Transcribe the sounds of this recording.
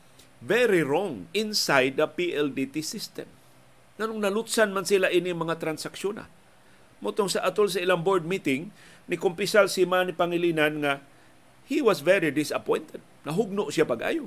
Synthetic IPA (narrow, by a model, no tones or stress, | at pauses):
vɛɾiɹɔŋɪnsajd̪̚ɐpiʔɛld̪it̪isɪst̪ɛ̰m | ŋanʊŋnɐlʊt̪sanmansilaʔinɪmɐŋat̪ɾansakʃjona̰ | mʊt̪oŋsaʔat̪ols̬ɐɪlaŋboɹd̪̚mit̪ɪŋ | nɪkʊmpɪsalsimanipaŋɪlinanŋa | hiwasvɛɾid̪ɪsɐpɔjnt̪ɛd̪̚nɐɦʊɡ̚nʊʔsjapaɡʔa̰ːjʊ